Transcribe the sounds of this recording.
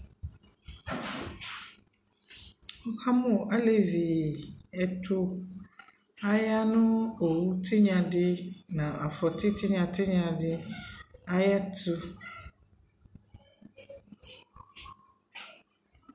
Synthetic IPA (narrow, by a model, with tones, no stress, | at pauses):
ɔ˦kʰa˦mʊ̃˨ʔa˦le˨vi˨ɛ˨tʰʊ˦ | a˦ja˦nʊ̃˦o˨wu˦tʰɪ˦ɲã˨dɪ˦nã˨a˨fɔ˨tʰɪ˦tʰɪ˦ɲã˨tɪ˦ɲã˨dɪ˦ | a˦jɛ˦tʊ˦